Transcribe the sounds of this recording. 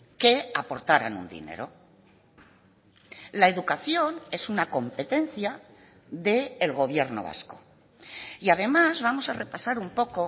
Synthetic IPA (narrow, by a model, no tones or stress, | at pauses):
ke̞apo̞ɾt̪aɾa̰nṵnd̪ḭne̞̰ɾo̞̰ | lae̞ðukaθjo̞ne̞sunako̞mpe̞t̪e̞nθja | ðe̞ːlɣo̞β̞je̞ɾno̞̰βa̰sko̞ | iaðe̞mazβamo̞sare̞pasaɾumpo̞ko